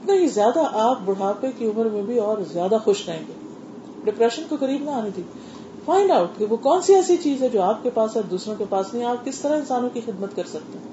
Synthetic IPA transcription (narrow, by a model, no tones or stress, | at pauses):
ɐpnaɦizjaːd̪aʔaːp̚bʊɽ̤aːpekiʊməɾmẽbʱiɔːɾzjaːd̪axʊʃkɐẽːɡeː | ɖɪpɾɛːʃənkokɐɾiːbnɐaːnid̪ʰiː | faːɪ̃ɳɖaʊʈkeʋokɔːnsiɛːsit͡ʃiːzɦɛ̃d͡ʒoːaːp̚kepaːsɔːɾd̪uːsɾõkepaːsnɐɦĩaːp̚kɪst̪ɐɾaɪ̃nsaːnõkixɪd̪mət̪kɐɾsɐk̚t̪eɦɛ̃